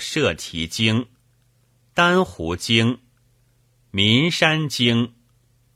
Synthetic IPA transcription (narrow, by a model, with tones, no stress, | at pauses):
ʂɤ˥˩t̪ʰi˧˥t͡ɕi˥ŋ | t̪a˥nxu˧˥t͡ɕi˥ŋ | mi˧˥nʂa˥nt͡ɕi˥ŋ